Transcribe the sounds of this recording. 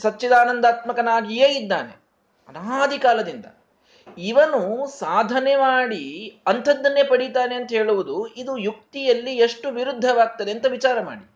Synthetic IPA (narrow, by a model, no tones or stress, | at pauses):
sɐtːt͡ʃid̪aːnɐnd̪aːt̪mɐkɐnaːɡijeːid̪ːaːnḛ | ɐnaaːd̪ʱikaːlɐd̪ind̪ɐ̰ | iʋɐnusaːd̪ʱɐnemaːɽiɐnt̪ʰɐd̪ːɐnːepɐɽit̪aːneɐnt̪ɐɦe̞ːɭuʋud̪uid̪ujuk̚t̪ijɐlːieʂʈuʋiɾud̪ʱːɐʋaːɡ̚t̪ɐd̪e̞ɐnt̪ɐʋit͡ʃaːɾɐma̰ːɽi